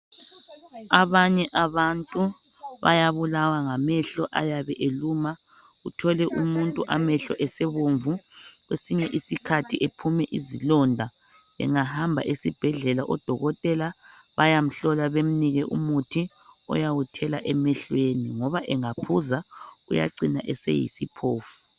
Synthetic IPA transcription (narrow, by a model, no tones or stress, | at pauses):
aβaɲɛʔaβantʼu | βa̰jaβulawaŋamɛɬɔʔajaβɛʔeluma | ɣutʰɔlɛʔumuntʼuʔamɛɬɔʔɛseβuɱvuɣwesiɲɛʔisikʰatʰiʔepʰumɛʔizilɔndʱa | βɛ̰ŋahambʱa̰ʔesib̥ʱɛɮɛlaʔɔd̥ʱɔɣɔtʼɛla | βajam̩ɬɔlaβem̩niɣɛʔṵmutʰi | ɔ̰jawutʰɛlaʔɛmɛɬweniŋɔβaʔɛŋapʰuzaɣṵja̰ǀinaʔɛsḛjḭsipʰoːfu̥